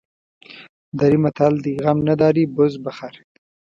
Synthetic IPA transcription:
d̪aɾimat̪ʰald̪iɣamnad̪ɑːɾibʊzbaxaɾ

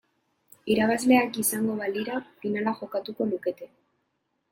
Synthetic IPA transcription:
iɾaβazle̞akisaŋɡo̞βaliɾafinalaʝo̞kat̪uko̞luke̞t̪e̞

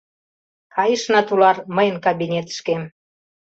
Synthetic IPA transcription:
kʰɑjəʃnɑt̪ulɑrməjənkɑβʲinʲet̪ə̥ʃkem

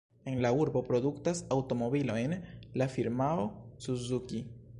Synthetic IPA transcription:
e̞nlauɾbo̞pɾo̞duktasawto̞mo̞bilo̞jnlafiɾmaosuzuki

